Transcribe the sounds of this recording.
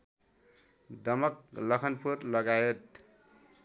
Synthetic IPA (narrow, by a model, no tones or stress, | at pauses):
d̪ʌmʌk̚lʌkʰənpʰuɾlʌɡajet̪̚